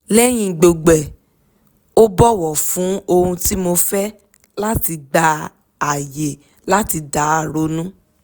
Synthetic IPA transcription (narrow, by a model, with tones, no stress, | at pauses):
lɛ˦j̃ĩ˧˨ɡ͡bo˨ɡ͡bɛ˨ | o˦bɔ˦˨wɔ˨fũ˨˦o˧hũ˧ti˦mo˧fɛ˦ | la˦ti˧ɡ͡ba˧ | a˨je˨ | la˦ti˧da˨˦a˦˨ɾo˧˦nũ˦